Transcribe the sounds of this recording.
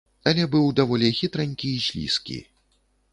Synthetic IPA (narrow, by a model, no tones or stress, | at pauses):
ɐlʲɛbɨwd̪avɔlʲɛxʲit̪ɾanʲkʲiːzʲlʲḭskʲḭ